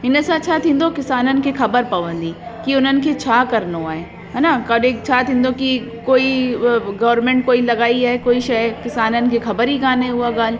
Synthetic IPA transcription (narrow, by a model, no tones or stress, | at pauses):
ɪnəsãt͡ʃʰat̪ʰĩːn̆d̪okɪsaːnənɪ̆kʰexɐbəɾpɐʋə̃nd̪iːkiʊnənɪ̆kʰet͡ɕʰaːkɐɾnoaːɦeː | ɦaːnakɐɗẽt͡ʃʰat̪ʰĩːnd̪oki | koːiɡɐʋəɾmẽːɳʈ̚koːilɐɡaːiaːɦekoːiʃɐjkɪsaːnənɪ̆kʰexɐbəɾɦiɡaːnẽʊaɡaːl